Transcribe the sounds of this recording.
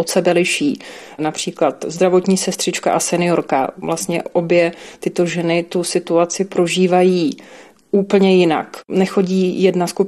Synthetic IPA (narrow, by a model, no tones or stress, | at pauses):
ot̪sɛbɛlɪʃiːnapr̝̥iːklat̪zd̪ɾavo̞t̪ɲiːsɛst̪r̥ɪt͡ʃka̰ʔasɛnɪo̞ɾka̰vlast̪ɲɛ̰ʔo̞bjɛt̪ɪt̪o̞ʒɛnɪt̪ʊsɪt̪uat͡sɪpɾo̞ʒiːvajiː | ʔuːpl̩ɲɛjɪna̰knɛxo̞ɟiːjɛdnaskup